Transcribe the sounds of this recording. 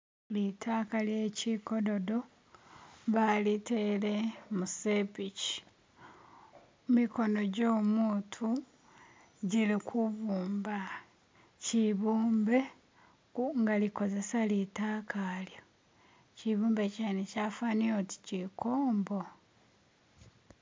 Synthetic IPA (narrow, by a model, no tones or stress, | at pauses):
litʰaːkalje̞ciko̞do̞do | βalitele̞musepici̥ | miko̞no̞ɟo̞ːmuːtʰu | ɟilikʰuβuːmba | ciβuːmbe̞ | ŋɡaliko̞ze̞salitaːkaljo | ciβuːmbe̞caːnecafanioti̥cikoːmbo̞